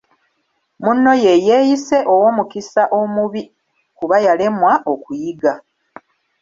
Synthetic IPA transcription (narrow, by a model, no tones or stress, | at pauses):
munːo̞je̞jeːjise̞ʔo̞wo̞ːmukisaʔo̞muβi | kuβajale̞mwaʔokujiɡa